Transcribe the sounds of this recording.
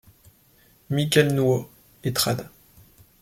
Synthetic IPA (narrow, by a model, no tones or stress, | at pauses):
mikʲɛlnuo | et̪χad̪a